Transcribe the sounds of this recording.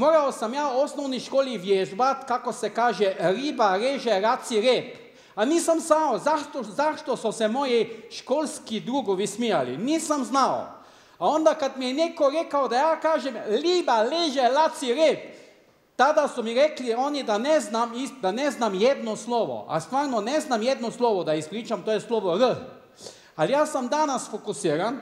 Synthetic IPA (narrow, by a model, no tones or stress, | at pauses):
moːɾawsamjaːɔsnɔwniʃkoːliʋjeʒbat̪kakosɛkaːʒɛɾiːbaɾeːʒɛɾasiɾep | aniːsamzawzaʃt̪ɔzaʃt̪ɔsɔsɛmoːjiʃkoːlskid̪ɾuːɡɔʋismijalḭniːsamznaw | aɔ̃nd̪akat̪mijɛneːkɔɾɛːkawd̪ajaːkaːʒɛmliːbaleːʒɛlaːt̪siɾep | t̪aːd̪asɔmiɾɛːkliɔːnid̪anɛznamisd̪anɛznamjɛd̪nɔslɔːʋɔ̰ʔa̰st̪ʋaːɾnɔnɛznamjɛːd̪nɔslɔːʋɔd̪aispɾiːt͡ʃamt̪oːjɛslɔːʋɔɾə | aljasamd̪aːnasfɔkusiːɾan